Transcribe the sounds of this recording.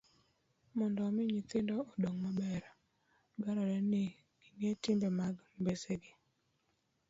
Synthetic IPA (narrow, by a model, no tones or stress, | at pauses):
mɔndɔmɪɲit̪ɪndɔːdoŋmabɛɾa | ɡaɾɔɾɛnɪ | iŋetɪmbemaɡmbeseɡɪ